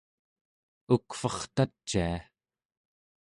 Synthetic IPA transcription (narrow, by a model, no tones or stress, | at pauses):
ukfʌχt̪at͡ʃːia